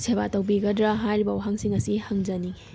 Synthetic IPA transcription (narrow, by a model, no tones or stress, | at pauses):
sʰebatɐwbiɡɐdɾaɦajɾibɐwaɦaŋsiŋɐsihɐŋzɐni